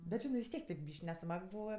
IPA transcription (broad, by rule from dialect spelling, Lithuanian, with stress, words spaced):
bʲɛt ˈʒʲɪnɜ ʋʲɪs ˈtʲiɛk tʲeːp ˈbʲiːʃʲkʲ nʲɛˈsmɐk ˈbuːʋɐ